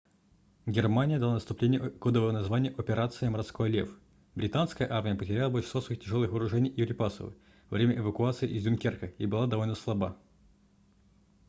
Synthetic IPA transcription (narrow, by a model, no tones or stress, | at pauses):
ɡʲɪrmanʲɪjəd̪ɐlˠanəst̪ʊplʲenʲɪjəkod̪əvəvənɐzvanʲɪjəʔopʲɪɾat̪sɨjməɾɐt̪skojəlʲḛf | bɾʲɪt̪anskəjəʔarmʲɪjəpətʲɪɾʲalˠəbolʲʃsosvəxʲtʲɪʐolˠɨxəɾʊʐɛnʲɪjjʊɾʲɪpasə̰vɨ̰ | vɐvɾʲemʲəʔɪvəkʊat̪sɨɪʔɪzdʲʊnkʲerkəibɨlˠad̪ɐvolʲnəslˠɐba